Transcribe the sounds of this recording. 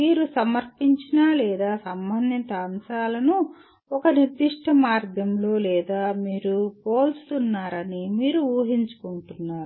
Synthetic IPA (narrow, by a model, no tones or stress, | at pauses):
miːɾusɐmɐɾpiɲt͡ʃinalɛːd̪aːsɐmbʱɐnd̪ʱint̪ɐːmʃaːlɐnu | ɔkɐniɾd̪iʂʈɐmaːɾd̪ʱjɐmlo̞ːlɛːd̪aːmiːɾupoːlst̪unːaːɾɐnimiːɾuuːɐɦiɲt͡ʃu̥kuɳʈunːaːɾu